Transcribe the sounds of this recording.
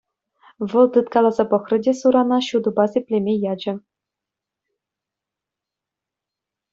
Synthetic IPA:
ʋɤ̆lˠt̪ɯt̪kɑlˠɑzɑpɤ̆xrɤ̆dʲesuɾɑnɑɕud̪ɤ̆bɑsʲepʲlʲemʲejɑd͡ʑɘ̆

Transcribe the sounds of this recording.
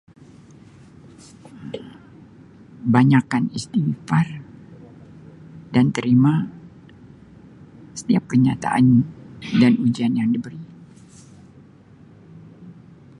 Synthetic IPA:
baɲakanist̪ifar | dant̪əɾima | sə̥t̪iap̚kəɲat̪a̰ʔa̰ndanud͡ʒianjaŋdəbəɾi

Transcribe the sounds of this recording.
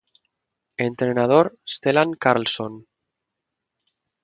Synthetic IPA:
ent̪ɾenað̞oɾest̪elaŋkaɾlson

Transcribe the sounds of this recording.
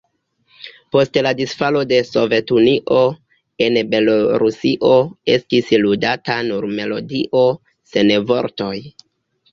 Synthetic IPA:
po̞stladisfalo̞de̞so̞ve̞tuniʔo̞ | e̞nbe̞loɾusiʔo̞e̞stisludatanuɾme̞lo̞̰diʔo̞ | se̞nevo̞ɾto̞j

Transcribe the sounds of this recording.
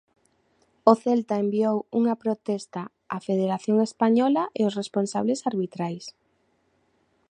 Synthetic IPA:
oθɛlt̪aembiowuŋɐpɾot̪ɛst̪a | afeð̞eɾaθjoŋespaɲɔlɐʔeosresponsaβlesaɾβit̪ɾajs

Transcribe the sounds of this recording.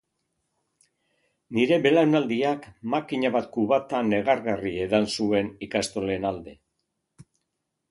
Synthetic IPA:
niɾe̞βe̞lawnald̪iakmakiɲaβat̪̚kuβat̪ane̞ɣ̞aɾɣarie̞ðansue̞nikast̪o̞le̞nald̪e̞

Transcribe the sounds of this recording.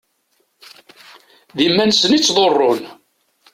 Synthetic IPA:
ðimːænsənit͡sːðˤorˤːon

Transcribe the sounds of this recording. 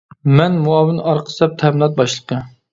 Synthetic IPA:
mɛnmuɑːwɪnɨʔɑɾqʰə̥sɛp̚t̪ʰɛhmɪlˠɑt̪̚bɑʃlˠəqʰə

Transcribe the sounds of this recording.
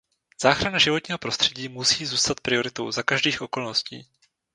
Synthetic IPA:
z̥aːxɾanaʒɪvo̞t̪ɲiːɦopɾo̞st̪r̝̥ɛɟiːmusiːzuːst̪at̪̚pɾɪo̞ɾɪt̪o̞̰wzakaʒdiːxʔo̞ko̞lnoscḭː

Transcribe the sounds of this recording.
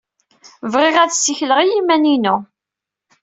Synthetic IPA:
vʁɪʁæðsːiçləʁijimæninu

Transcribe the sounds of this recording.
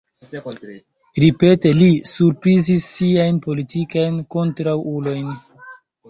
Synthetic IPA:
ɾipe̞te̞lisuɾpɾizisːiajnpo̞litikajnko̞ntɾawulo̞jn

